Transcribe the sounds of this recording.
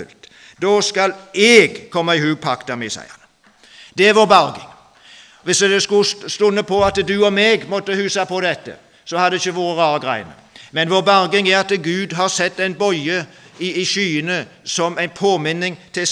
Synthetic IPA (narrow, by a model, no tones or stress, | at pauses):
ʉ̰lt̪ | d̪oːskɑlɛɡkʰɔmːɑɪhʉːpʰɑkt̪ɑmɪsæ̰ɪə̰nə | d̪̥ɛæɾʋoːɾbɑɾɡɪŋ | ʋɪsd̪ɛskʉst̪ʊnːəpʰɔɑt̪d̪ʉɔmeːɡmɔt̪ːəhʉːsɑpɔd̪ɛt̪ːə̰ | sɔhɑd̪d̪ɛɪçːəʋoːɾəɾɑːɾəɡɾæɪə̰nə̰mɛnʋoːɾbɑɾɡɪŋæɾɑt̪ɡʉːd̪ɦɑʁsɛt̪ːæɪnbɔʏəɪːʃyːənəsɔmæɪnpʰoːmɪnːɪŋt̪ʰɪ